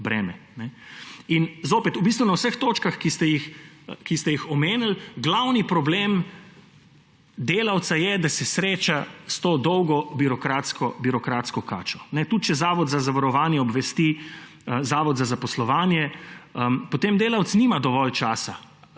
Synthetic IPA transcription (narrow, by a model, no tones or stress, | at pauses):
bɾɛːmɛnɛinzoːpɛt̪ubist̪ʋunawsəxt̪oːt͡ʃkaxkist̪ɛjixkist̪ɛjixɔmeːnəlɡlawnipɾɔbleːm | d̪eːlawt̪sajɛd̪asɛsɾeːt͡ʃast̪oːd̪ɔwɡɔbiɾɔkɾaːt̪skɔbiɾɔkɾaːt̪skɔkaːt͡ʃɔ̥nɛt̪ut̪t͡ʃɛzaːʋɔd̪zazaʋaɾɔʋaːnjɛɔbʋɛst̪i | əzaːʋɔd̪zazapɔslɔʋaːnjɛəpɔt̪emd̪eːlawt̪snimad̪ɔʋɔlt͡ʃaːsa